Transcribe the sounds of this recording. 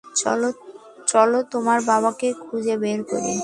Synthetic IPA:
t͡ɕɔlot̪omaɾbaβakekʰud͡ʑebeɾkoɾḛ

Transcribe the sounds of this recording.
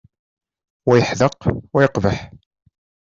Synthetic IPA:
wæjəħðəqwæjəqvəħ

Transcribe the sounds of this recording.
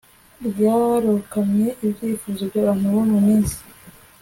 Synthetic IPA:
ɾjaːɾukamɲe̞ʔibɟiːfuːzobɟaβan̥uβomumiːnsi̥

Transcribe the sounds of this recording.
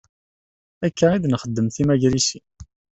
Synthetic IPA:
ækːæid̪nχəd̪ːəmθimæʝɾisi

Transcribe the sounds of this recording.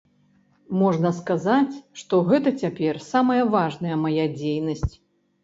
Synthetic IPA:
mɔʐnɐskazat͡sʲʂt̪ɔɣɛt̪ɐt͡sʲapʲɛrsamɐjɐvaʐnɐjɐmajad͡zʲejnɐsʲt͡sʲ

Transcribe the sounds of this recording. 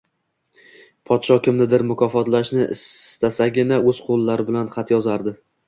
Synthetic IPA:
pʰɒt̪ʃɒkʲɪmnɪd̪ɪɾmʊkʰɒfɒt̪laʃnɪʔɪ̰st̪asaɡʲɪnaɵz̥qʰolˠːaɾɪbɪlanχɑt̪jɒzaɾd̪ɪ

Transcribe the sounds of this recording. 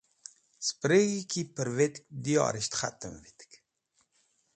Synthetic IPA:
spɾeɣikipəɾvet̪k̚d̪iɔ̰ɾiʃt̪χa̰t̪əmvit̪k

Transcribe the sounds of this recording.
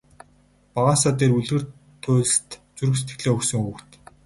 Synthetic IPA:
paʁaːsaːt̪eːruɮɣɘ̆r | t̪ʰʊːɮ̆ɬt̪t͡suɾɘ̆xs̬e̥t̪ɡɘ̆ɮeːuksɵ̆ŋukt̪

